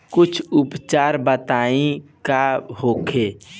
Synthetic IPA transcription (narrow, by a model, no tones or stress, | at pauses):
kʊt͡ʃʰʊpt͡ʃaːɾbət̪aːĩkahoːkʰeː